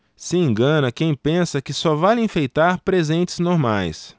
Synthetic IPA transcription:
sɪẽŋɡɐ̃nɐkẽj̃pẽsɐkɪsɔvalĩfejt̪aɾpɾezẽnt͡ʃɪznoɾmajs

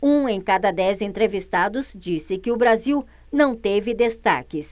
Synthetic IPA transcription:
ũẽj̃kad̪ɐd̪ɛzẽnt̪ɾevist̪ad̪ʊzd͡ʒisɪkɪʊbɾaziw | nɐ̃w̃t̪evɪd̪est̪a̰kɪs

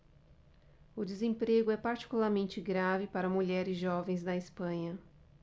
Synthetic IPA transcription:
ʊd̪ɪzẽpɾeɡʊɛpaɾt͡ʃi̥kulaɾmẽnt͡ʃɪɡɾavɪpaɾɐmuʎɛɾɪzʒɔvẽj̃zd̪ɐɪspɐ̃ɲɐ

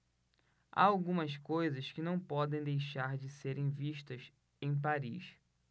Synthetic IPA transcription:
a̰awɡũmɐskojzɐskɪnɐ̃w̃pɔd̪ẽj̃d̪ejʃaɾd͡ʒɪseɾʔẽj̃viʃt̪ɐs | ẽj̃p̬aɾḭʃ

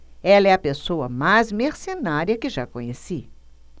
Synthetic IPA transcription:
ɛlɐɛɐpesoɐmajzmeɾsenaɾiɐkɪʒakõɲesi

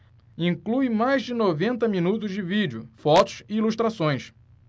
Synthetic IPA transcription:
ĩŋkluɪmajzd͡ʒɪnovẽnt̪ɐminut̪ʊzd͡ʒɪvid͡ʒʊfɔt̪ʊ̥sɪiluʃt̪ɾasõj̃s

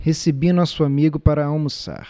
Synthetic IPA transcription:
hesebinɔsʊamiɡʊpaɾɐawmusa̰ɾ

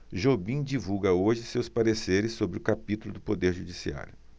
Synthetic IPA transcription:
ʒobĩd͡ʒivuɡɐoʒɪsewspaɾeseɾɪsːobɾɪʊkapit̪ulʊd̪ʊpod̪eɾʒud͡ʒisia̰ɾjʊ

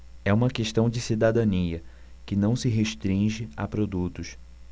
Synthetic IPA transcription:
ɛũmɐkeʃt̪ɐ̃w̃d͡ʒɪsid̪ad̪ɐ̃niɐ | kɪnɐ̃w̃sɪɦeʃt̪ɾĩʒɪa̰pɾod̪ut̪ʊs

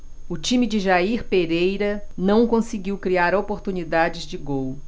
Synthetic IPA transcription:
ʊt͡ʃĩmid͡ʒɪʒaiɾpeɾejɾɐnɐ̃w̃kõsɪɡiwkɾiaɾopoɾt̪unid̪ad͡ʒɪzd͡ʒɪɡow

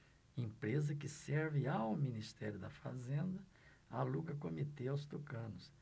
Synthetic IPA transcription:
ẽpɾezɐkɪsɛɾvɪawminist̪ɛɾjʊd̪ɐfa̰zẽnd̪ɐ | aluɡɐkomit̪eawst̪ukɐ̃nʊs

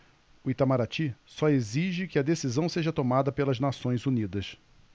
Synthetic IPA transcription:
ʊit̪amaɾat͡ʃisɔeziʒɪkɪɐd̪esizɐ̃w̃seʒɐt̪omad̪ɐpelɐznasõj̃zunid̪ɐs

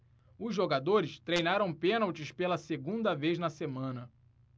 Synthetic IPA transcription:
ʊzʒoɡad̪oɾɪst̪ɾejnaɾɐ̃w̃pẽnawt͡ʃɪspelɐseɡũnd̪ɐvejznɐsemɐ̃nɐ

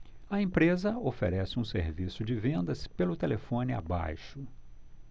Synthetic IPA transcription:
ɐẽpɾezɐofḛɾɛsɪũsḛɾvisʊd͡ʒɪvẽnd̪ɐspelʊt̪elefõnɪa̰ba̰jʃʊ

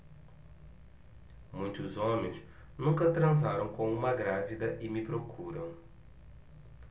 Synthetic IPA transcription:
mũj̃t̪ʊzõmẽj̃s | nũŋkɐt̪ɾɐ̃zaɾɐ̃w̃kõũmɐɡɾavid̪ɐʔɪmɪpɾokʰuɾɐ̃w̃

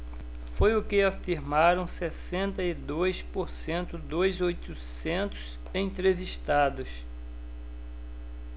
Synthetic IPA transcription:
fojʊkɪafiɾmaɾɐ̃w̃sɛsẽnt̪ɐid̪ojspoɾsẽnt̪ʊd̪ojzojt̪usẽnt̪ʊ̥s | ẽt̪ɾeviʃt̪ad̪ʊs

